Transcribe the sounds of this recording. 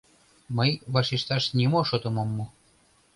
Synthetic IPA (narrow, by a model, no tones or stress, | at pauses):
məjβɑʃiʃt̪ɑʃnʲimoʃot̪ŏmomːo